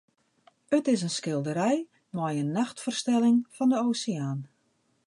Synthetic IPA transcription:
ətɪsənskɪlˠdəɾɛj | nwɔjənːaxtfərstɛlɪŋfɔndəoːseaːn

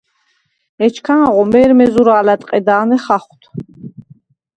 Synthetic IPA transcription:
ɛt͡ʃʰkʰanaʁɔmɛːɾmɛzuɾaːlat̪ʼqʼɛd̪aːnɛχaχt̪ʰ

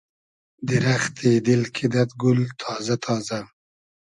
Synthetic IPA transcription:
d̪ɪɾaxt̪ʰeːd̪ɪlkʰɪd̪ɐt̪ɡʊlt̪ʰɑːzat̪ʰɑːza

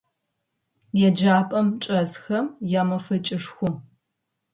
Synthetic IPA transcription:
jɛd͡ʒaːpʼɐmt͡ʃʼɐzxɐmjaːmɐfɐt͡ʃʼɪʂxʷʊm

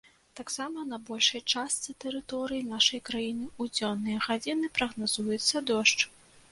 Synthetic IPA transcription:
t̪aksamɐnɐbɔlʲʂɐjt͡ʂast̪sɨt̪ɛɾɨt̪ɔɾɨjinaʂɐjkɾajinɨud͡zʲɔnːɨjɐɣad͡zʲinɨpɾɐɣnazujɛt̪sːɐd̪ɔʂt͡ʂ

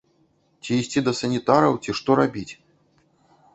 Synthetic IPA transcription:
t͡sʲiːsʲtʲid̪ɐsɐnʲit̪aɾɐwt͡sʲiʂt̪ɔɾabʲit͡sʲ

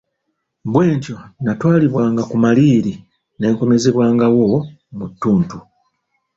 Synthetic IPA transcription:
βwe̞ːɲco̞natwaːliβwaːŋɡakumaliːɾi | ne̞ːŋko̞me̞zeβwaːŋɡawo̞ | mutːuːntu

